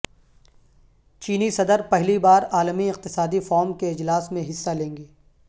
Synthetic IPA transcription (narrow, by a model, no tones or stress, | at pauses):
t͡ʃiːnisɐd̪əɾpɛɦlibaːɾaːlmiɪq̚t̪ɪsaːd̪ifɔːɾmkeɪd͡ʒlaːsmẽɦɪsːalẽːŋɡeː